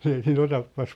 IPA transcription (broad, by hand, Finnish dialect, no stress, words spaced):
ei siːn otɑpːɑs